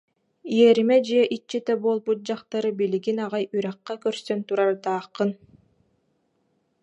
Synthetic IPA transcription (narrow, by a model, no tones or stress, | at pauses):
iɛɾimɛd͡ʑiɛʔit͡ʃːit̪ɛboːlˠbut̪̚d͡ʑaqt̪aɾɯbiliɡinaʁajʔyɾæqːakœɾsœnt̪uɾaɾt̪aːqːɯn